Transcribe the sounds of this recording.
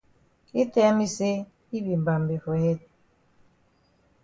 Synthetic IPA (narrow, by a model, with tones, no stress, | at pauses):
i˦te˦a˦mi˦se˦ | i˦bi˨m˨ba˨m˨be˨fe˨he˦t̚